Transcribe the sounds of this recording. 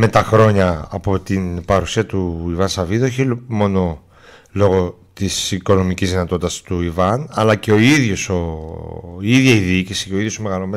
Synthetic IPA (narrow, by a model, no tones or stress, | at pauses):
me̞t̪ɐxɾo̞ɲɐːpo̞t̪inpɐɾusiɐt̪uivɐnsɐviðueçimo̞no̞ | lo̞ɣo̞ | t̪isiko̞no̞micizðinɐt̪o̞t̪it̪ɐst̪uivɐnɐlɐceo̞iðʝo̞so | iðʝɐiðicisiceoiðjo̞some̞ɣɐlome